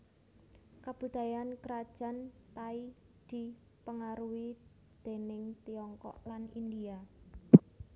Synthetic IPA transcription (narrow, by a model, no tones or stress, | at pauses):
kab̥ud̪̥a̤jankəɾad̥ʒ̥a̤nt̪ai | d̪̥i̤ | pəŋaɾuwi | d̪̥e̤nɪŋt̪iɔŋkɔ̰ʔlanind̪ia